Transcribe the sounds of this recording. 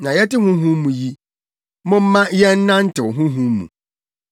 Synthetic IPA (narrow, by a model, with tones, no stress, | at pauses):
nã˨jɛ˦tɪ˦hʊ̃˦ɦũ˦mũ˨ji˦ | mɔ̃˦m̩˦mã˦jɛ˦n̩˦nã˦n̩˦tɪ˨wɦʊ̃˦ɦũ˦mṵ̃˨